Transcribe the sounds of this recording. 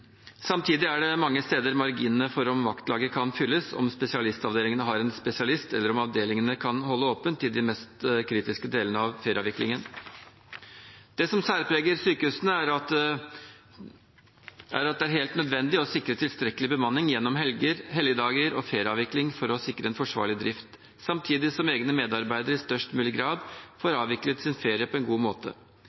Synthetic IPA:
sɑmt̪ʰiːd̪ɪæɖɛmɑŋːəst̪eːd̪əɾmɑɾɡiːnənəfɔɾɔmʋɑkt̪lɑːɡəkʰɑnfʏlːəsɔ̰mspɛsɪɑlɪst̪ɑʋd̪eːlɪŋənəɦɑɾɛnspɛsɪɑlɪst̪ɛlːəɾɔmɑʋd̪eːlɪŋənəkʰɑnhɔlːəoːpənt̪ʰːɪld̪ɪmɛst̪kʰɾiːt̪ɪskəd̪eːlənəɑʋfeːɾɑːʋɪklɪ̰ŋən | d̪̥ɛsɔmsæːɾpʰɾeːɡəɾsyːkəhʉːsənəæɾɑt̪ | ʔæ̰ɾɑt̪̚d̪ɛæɾɦeːlt̪nœd̪ʋɛnd̪ɪɔsɪkɾət̪ʰɪlst̪ɾɛkːəlɪbəmɑnːɪŋjɛnːɔmɦɛlɡəɾɦɛlɡəd̪ɑːɡəɾɔ̰feːɾɑːʋɪklɪŋfɔɾɔsɪkːɾəɛnfɔʂʋɑ̰ːɭɪd̪ɾɪft̪ | sɑmt̪ʰiːd̪ɪsɔmeːɡnəmeːd̪ɑɾbæɪd̪əɾəɪst̪œʂʈmʉːlɪɡɾɑːd̪foːɾɑːʋɪklət̪sɪnfeːɾjəpʰɔɛnɡuːmoːt̪ʰə̰

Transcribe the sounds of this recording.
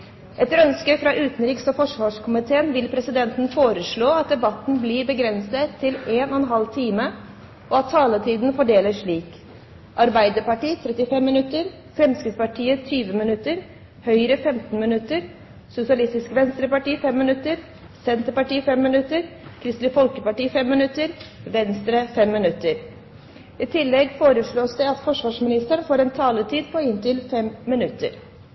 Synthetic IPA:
ʔɛt̪ːəɾœnskəfɾɑʔʉːt̪nɾiːksɔfɔʂʋɑːʂkʰʊmɪt̪ʰeːənʋɪlpʰɾɛsɪd̪ɛnt̪n̩foːɾəʂɭoːɑt̪̚d̪ɛbɑt̪ːn̩blibəɡɾɛnsət̪ʰːɪleːnʔɔɛnɦɑlt̪ʰiːmə | ʔɔɑt̪ʰːɑːlət̪ʰiːd̪n̩fɔɖeːləʂɭiːk | ʔɑɾbæɪd̪əɾpɑʈiːt̪ʰɾɛt̪ːɪfɛmːɪnʉt̪ːəɾ | fɾɛmskəpɑʈʰiːət̪ʰyːʋəmɪnʉt̪ːəɾ | hœʏɾəfɛmt̪n̩mɪnʉt̪ːəɾ | sʊsɪɑlɪst̪ɪskʋɛnst̪ɾəpɑʈiːfɛmːɪnʉt̪ːəɾ | sɛnt̪əpɑʈiːfɛmːɪnʉt̪ːəɾkʰɾɪst̪lɪfɔlkəpɑʈiːfɛmːɪnʉt̪ːəɾʋɛnst̪ɾəfɛmːɪnʉt̪ːəɾ | ɪt̪ʰɪlːɛɡfoːɾəʂɭoːsd̪ɛɑt̪fɔʂʋɑːʂmɪnɪst̪əɳfoːɾɛːnt̪ʰɑːlət̪ʰiːd̪pʰɔɪnt̪ɪlfɛmːɪnʉt̪ːə̰ɾ

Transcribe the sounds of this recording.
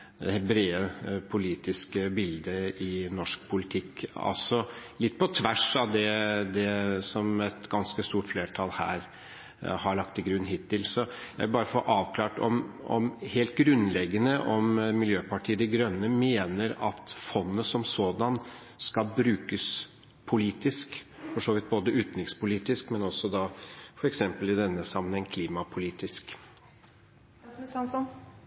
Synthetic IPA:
ɛhɛbɾeːəpʰʊliːt̪ɪskəbɪld̪əɪnɔʂk̚pʰʊlɪt̪ʰɪkːɑ̰lsɔlɪt̪ːpʰɔt̪ʰʋæʂɑʋd̪ɛd̪ɛsɔmɛt̪ɡɑnskəst̪uːʈfleːʈʰɑlhæ̰ːɾ | hɑɭɑk̚t̪ɪɡɾʉnːɦɪːt̪ʰːɪlsɔjæ̰ɪbɑːɾəfɔʔɑːʋkʰlɑːʈɔ̰mɔ̰mheːlt̪̚ɡɾʉnːlɛɡːənəʔɔmmɪljøːpɑʈʰiːəd̪ɛɡɾœnːəmeːnəɾɑt̪fɔnːəsɔmsoːd̪ɑn | skɑlbɾʉːkəs | pʰʊliːt̪ɪskfɔʂoːʋɪt̪̚boːd̪əʉːt̪nɪkspʊliːt̪ɪskmɛnɔsːɔd̪ɑfɔɾɛksɛmpəlɪd̪ɛnːəsɑmənɛŋkʰliːmɑpʰʊliːt̪ɪsk

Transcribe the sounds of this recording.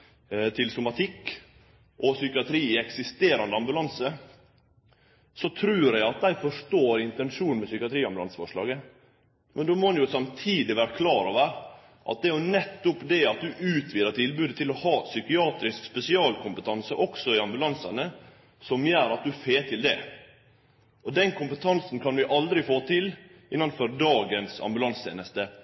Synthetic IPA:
t̪ʰɪlsʊmɑt̪ʰɪkː | ʔɔsʏkɪɑt̪ʰɾiːɪɛksɪst̪eːɾɑnd̪əɑmbʉlɑnsə | sɔt̪ʰɾʉːɾæɪɑt̪̚d̪æɪfɔʂtoːɾɪnt̪ɛnʂuːnnmɛsʏkɪɑt̪ʰɾiːɑmbʉlɑ̰nsə̥fɔʂɭɑ̰ːɡə | mʔɛnd̪omɔnjʊsɑmt̪ʰiːd̪ɪʋæːɾəkʰlɑːɾoʋəɾ | ʔɑ̰t̪̚d̪ɛjʊnɛt̪ːʊpd̪ɛɑt̪̚d̪ʉʔʉːt̪ʰʋiːd̪ət̪ʰɪlbʉːd̪ət̪ʰɪlɔhɑːsʏkɪɑːt̪ɾɪskspɛsɪɑːlkʰʊmpət̪ʰɑnsəʔɔksɔɪɑmbʉlɑnsɑnə | sɔmjœːɾɑt̪̚d̪ʉfeːt̪ʰɪld̪ɛ̰ | ʔɔd̪ɛnkʰʊmpət̪ʰɑnsn̩kʰɑnʋɪʔɑld̪ɾɪfoːt̪ʰɪlɪnːɑnfɔɾd̪ɑːɡənsɑ̰mbʉlɑnst̪ʰḛːnəst̪ə

